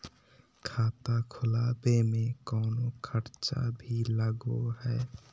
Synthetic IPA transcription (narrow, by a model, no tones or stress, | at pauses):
kʰat̪akʰʊlabemekəʊnokʰəɾt͡ʃa̰bʱilaɡoɦəe